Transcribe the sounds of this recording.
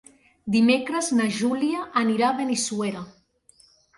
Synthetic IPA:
d̪imekɾəznaʒuliaʔːniɾaβenesueɾa

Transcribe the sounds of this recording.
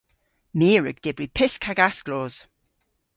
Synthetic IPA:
miːɹə̰ɡ̥d̥ɪbɹipʰɪskʰaɡasɡ̥loːz̥

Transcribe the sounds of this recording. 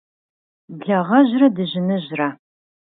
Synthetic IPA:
bɮɐʁɐʑrɐdɨʑɪnɨʑra

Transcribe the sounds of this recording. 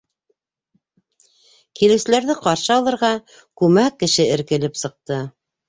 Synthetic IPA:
kilɘ̆wsɘ̆læɾðɘqɑɾʃɤɑlˠɤ̆ɾʁɑ | kʉmækːɘ̆ʃɘɘ̆ɾkɘ̆lɘpsɤ̆q̚t̪ɤ

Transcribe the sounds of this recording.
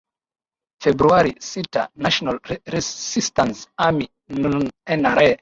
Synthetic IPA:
febɾuaɾisita̰naʃonalɾesistansami | nunenaɾe

